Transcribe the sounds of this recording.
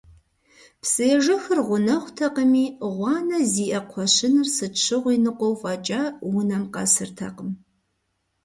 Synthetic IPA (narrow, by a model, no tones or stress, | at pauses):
psʼɨjɛʒɐxɨrʁʷʊnɐχʷtʰɐqəmiːʁʷɑːnɐziːʔɐqʷʰɔɕɪnɨrsɨt͡ʃʰɨʁʷiːnɨqʷʼɔwfʼaːt͡ʃʼaːwʊnɐmqɐ̰sɨrtʰɐ̰qəm